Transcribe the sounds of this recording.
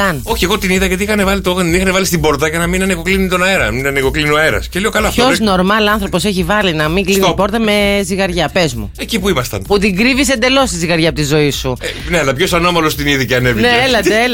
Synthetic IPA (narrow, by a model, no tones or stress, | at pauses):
ɐno̞çie̞ɣo̞t̪iniðɐʝɐt̪iixɐnevɐlit̪oɣɐnt̪inixɐnevɐlist̪ibo̞ɾt̪ɐʝɐnɐminɐnikoklinit̪o̞nɐeɾɐminɐnekoklinɐeɾɐ̰sceliokɐlɐfozno̞ɾmɐlɐnθɾo̞po̞seçivɐlinɐmiŋɡlinipo̞ɾt̪ɐme̞ziɣɐɾʝɐpezmṵecipuimɐst̪ɐ̰nput̪iŋɡɾivise̞nd̪e̞lo̞st̪iziɣɐɾʝɐpot̪izo̞isuneɐlɐpço̞sɐno̞mɐlo̞st̪iniðiceɐnevineelɐd̪e